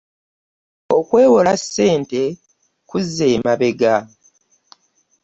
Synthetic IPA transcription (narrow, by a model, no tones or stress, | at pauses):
o̞kwe̞ːwolasːe̞ːnte̞ | kuzːeːmaβe̞ɡa